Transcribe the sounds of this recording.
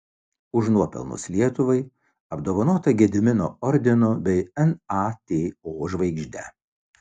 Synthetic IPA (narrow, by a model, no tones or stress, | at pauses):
ʊʒnuɔpʲɛ̰lˠnʊ̰slʲiɛt̪ʊʋɐɪ | ɐbd̪oːʋɐnoːt̪ɐɡʲɛd̪ʲɪmʲɪnoːɔɾʲd̪ʲɪnoːbʲɛɪɛnɑt̪ʲeːoːʒʋɐɪɡʒʲd̪ʲɛ̰